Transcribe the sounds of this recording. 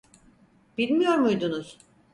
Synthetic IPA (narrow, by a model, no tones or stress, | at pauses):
b̥ilʲmijo̞ɾmujd̪unuz̥